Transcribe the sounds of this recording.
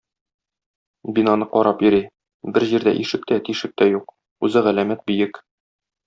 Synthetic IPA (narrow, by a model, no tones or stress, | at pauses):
binɑnɤqɒɾɑpjɵ̆ɾi | bɘɾʑiɾd̪æ̰ʔiʃɘ̆k̚t̪æt̪iʃɘ̆k̚t̪æjuq | ʉzɘʁælæmæt̪̚bɵ̆jɘk